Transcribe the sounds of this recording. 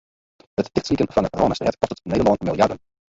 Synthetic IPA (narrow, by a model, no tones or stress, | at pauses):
ɦəttɪxtslikənfɑnətroːnəstrɛ̰tkɔstətneːdəlonmɪlˠjɑdən